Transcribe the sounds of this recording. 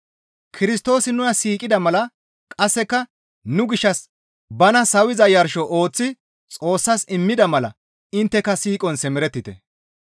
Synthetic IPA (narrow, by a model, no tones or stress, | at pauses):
kʰɪɾɪst̪o̞ːsɪnʊnɐsiːkʼɪd̪ɐmɐlɐ | kʼɐsːɛkːɐ | nʊɡɪʃːɐs | bɐnɐsɐwɪzɐjɐɾʃɔʔo̞ːt͡sːɪ | t͡sʼo̞ːsːɐsɪmːɪd̪ɐmɐlɐ̰ | ɪnt̪ːɛkɐsiːkʼɔnsɛmɛɾɛt̪ːɪt̪ɛ